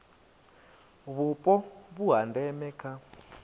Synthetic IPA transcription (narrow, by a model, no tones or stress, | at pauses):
βupʼɔβuɦandɛmɛkʰa